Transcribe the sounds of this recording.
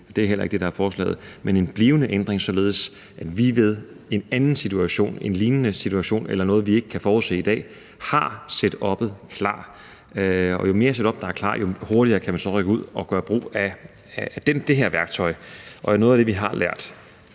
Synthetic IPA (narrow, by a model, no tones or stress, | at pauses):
d̥e̝æɐɦelɐe̝ɡ̥̚d̥e̝ɾ̥ɑ̈æɐfɒːslɛ̰ːð̩ˠmene̝nb̥liːʊənəʔend̥ʁeŋsɒ̽le̝ːð̞̩ˠəs | ʔæd̥ʋiʋe̝ð̞ˠ | e̝nænn̩sit͡sʰuæɕo̝̰ːne̝nliːnənəsit͡sʰuæɕo̝̰ːnelɐnɔ̽ːð̞̩ˠʋie̝ɡ̥ə̥kʰæfɒːuðˠse̝̰ːid̥ɛ̰ː | hɑ̈sed̥ɒ̽b̥ð̩ˠkʰlɑ̰̈ː | ɒ̽jo̝me̝ːɐseɾ̥ɒ̽b̥d̥ɑ̈æɐkʰlɑ̰̈ːjo̝ho̝ɐɾiɐːkʰæmænsɒ̽ʁœɡ̥əuð̞̰ˠɒ̽ɡ̥ɶːɐb̥ʁo̝̰ːæ | d̥end̥e̝ɦeɐ̰ʋæɐɡ̥t͡sʰɒ̽ɪʔɒ̽æno̽ːð̩ˠæd̥e̝ʋiɦɑ̈lʔæɐ̰d̥